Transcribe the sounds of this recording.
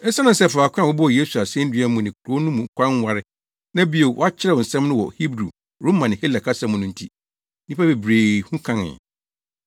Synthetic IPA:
ɛ˦sa˦nʊ̃˨n̩sɛ˦˨fa˨kʷʰɛ̃˦a˨ʊ˦bʊ˦ɔ˨je˦su˨a˨sɛ̃˦n̩˦dɥa˦mʊ̃˨nɪ̃˨kʰu˨ɾo˨˦nũ˦mũ˨kʰʷã˦ŋ˦wa˦ɾɪ˦ | nã˦bi˦o˨wɔ̰˦a˦t͡ɕʰɪ˦ɾɛ˨wɔ˨n̩˨sɛ̃˦mnʊ̃˦wɔ̰˨hi˦bɾu˨ | ɾo˦mã˨nɪ̃˨he˦la˨kʰa˦sã˦mʊ̃˨nʊ̃˦n̩˨tʰi˦ | nĩ˦pa˦be˨bɾeː˨hũ˦kʰã˦ŋɪ̰̃˨

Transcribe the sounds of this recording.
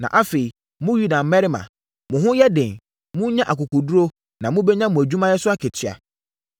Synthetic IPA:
nã̰˨ʔa˦fe˨i˨ | mʊ̃˦ju˦da˨m̩˨˦mɛ˦ɾɪ˦mã̰˨ | mʊ̃˨ɦʊ̃˦jɛ˦dɪ̃˨n | mʊ̃˦ɲã˦ʔa˨kʊ˨kʰʊ˨du˦ɾo˦ | nã˨mũ˦bɛ˦ɲã˦mũ˨æ˨d͡ʑᶣu˦mã˦jɛ˦sʊ˦a˦kʰɛ˨t͡ɕʰɪ˨a̰˨

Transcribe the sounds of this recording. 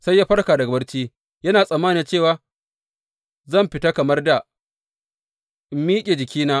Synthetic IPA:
sa˦jːaː˦ɸɐ˦rkaː˨dɐ˨ɡɐ˦bɐ˦rt͡ʃiː˦ | jɐ˦naː˨sʼɐ˨mːaː˦ni˦nt͡ʃeː˦˨waː˦ | zɐ˦˨mɸɪ˨ta˦kɐ˨mɐ˦rda˨ | miː˦kʲʼeː˨d͡ʒɪ˨kʲʰiː˦naː˦

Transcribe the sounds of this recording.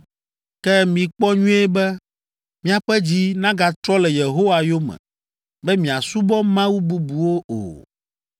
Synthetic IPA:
kɛ˦mĩ˨k͡pɔ˦ɲũ˦e˦bɛ˦ | mĩ˦a˨ɸɛ˦d͡ʑi˦nã˦ɡa˨t̪ɾɔ˦lɛ˨je˨ɦo˦wa˨jo˦mɛ̰̃˨ | bɛ˦mĩ˨a˨su˦bɔ˦mã˦wu˦bu˦bu˨wo˦o̰˨

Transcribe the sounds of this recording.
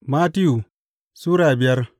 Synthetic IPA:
ma˦ti˦ju˨ | su˦ɾa˦˨a˨bi˨ja˦ɾ

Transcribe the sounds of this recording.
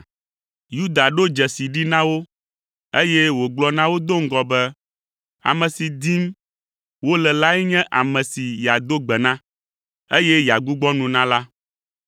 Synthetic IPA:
ju˦d̪a˨ɖo˦d͡ʒɛ˨si˨ɖi˦nã˦wo˦ | e˦jɛ˦wo˨ɡ͡blɔ˦nã˦wo˦d̪o˦ŋ̩˦ɡɔ˨bɛ˦ | a̰˨mɛ̃˨si˨d̪i˦m | wo˦lɛ˨la˦ɛ˦ɲɛ̃˦ʔa̰˨mɛ̃˨si˨ja˨d̪o˦ɡ͡bɛ˨nã˦ | e˦jɛ˦ja˨ɡu˦ɡ͡bɔ˦nũ˨nã˦la˦

